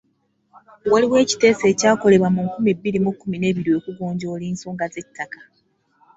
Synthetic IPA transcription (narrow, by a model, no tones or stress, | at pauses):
waliwe̞ːci̥te̞ːse̞ːcaːko̞le̞βwamuŋkumibːiɾimukːumine̞ːβiɾiwokuɡoːɲɟoːliːnsoːŋɡazecitʰːakḁ